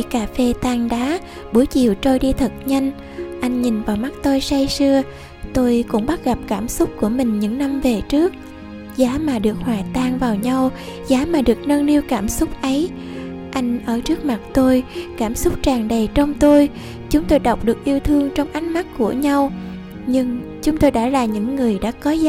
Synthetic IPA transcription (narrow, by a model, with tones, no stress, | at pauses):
i˧˩kaː˨˩fe˧t̪aː˧˩ŋɗaː˨˦ | ɓu˧˩˦jt͡ɕḭ˧˨əwt͡ɕo˧jɗi˧t̪ʰə˨˩t̚ɲa˧jŋ̟ | ʔa˧jŋ̟ɲi˨˩nvaː˨˩wma˦˥k̚t̪o˧jsa˧jsɨ˧ə | t̪o˧jkʊ̰˧˥ŋ͡mɓa˦˥t̚ɣa˨˩p̚kaː˧˩msʊ˦˥k͡p̚ku˧˩əmï˨˩ŋ̟ɲɨ̰˧˥ŋna˧mve˨˩t͡ɕɨ˦˥ək̚ | zaː˨˦maː˨˩ɗɨ˨˩ək̚hwaː˨˩t̪aː˧˩ŋvaː˨˩wɲa˧w | zaː˨˦maː˨˩ɗɨ˨˩ək̚nə˧nni˧əwkaː˧˩msʊ˦˥k͡p̚ʔə˨˦j | ʔa˧jŋ̟ʔəː˧˩t͡ɕɨ˦˥ək̚ma˨˩t̚t̪o˧jkaː˧˩msʊ˦˥k͡p̚t͡ɕaː˨˩ŋɗə˨˩jt͡ɕɔ˧wŋ͡mt̪o˧j | t͡ɕʊ˨˦ŋ͡mt̪o˧jɗə˨˩wk͡p̚ɗɨ˨˩ək̚ʔi˧əwt̪ʰɨ˧əŋt͡ɕɔ˧wŋ͡mʔa˨˦jŋ̟ma˦˥k̚ku˧˩əɲa˧w | ɲɨ˧ŋt͡ɕʊ˨˦ŋ͡mt̪o˧jɗa̰ː˧˥laː˨˩ɲɨ̰˧˥ŋːɨ˨˩əjɗa̰ː˧˥kɔ˨˦z